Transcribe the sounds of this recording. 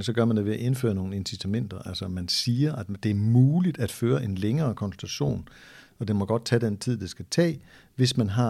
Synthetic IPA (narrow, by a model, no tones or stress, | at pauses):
sɒ̽ɡ̥ɶɐmænd̥eʋe̝æʔe̝nfø̰ːɐno̝ːn̩e̝nsit͡sʰæmen̰d̥ɐʔælsɐmænsiːɐʔæd̥d̥e̝æɐmuːlid̥æd̥føːɐʔe̝nleŋɐːkʰɒ̽nsl̩t͡sʰæɕo̝̰ːn | ɒ̽d̥enmɒ̽ɡ̥ɒ̽d̥̚t͡sʰɛd̥en̰t͡sʰið̞̰ˠd̥esɡ̥æt͡sʰɛ̰ː | ʋe̝smænɦɑ̈